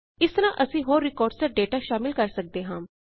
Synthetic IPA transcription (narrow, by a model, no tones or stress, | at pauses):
ɪst̪əɾãːʔəsĩːɦoːɾːɪkɔːɾɖsaːɖeːʈaːʃaːmɪlkəɾsək̚d̪eːɦãː